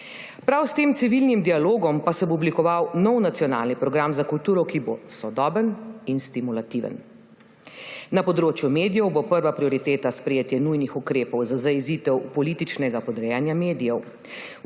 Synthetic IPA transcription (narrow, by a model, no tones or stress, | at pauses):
pɾawst̪eːmt̪siʋilnimd̪ialoːɡɔmpasɛboɔblikɔʋawnɔwnat̪sijɔna̰ːlnipɾɔɡɾamzakult̪uːɾɔkibosɔd̪ɔːbəninst̪imulat̪iʋə̰n | napɔd̪ɾoːt͡ʃjumeːd̪ijɛwbopəɾʋapɾiɔɾit̪eːt̪aspɾɛjeːt̪jɛnujnixukɾeːpɔwzazaiziːt̪ɛwpɔliːt̪it͡ʃnɛɡapɔd̪ɾɛjanjameːd̪ijɛw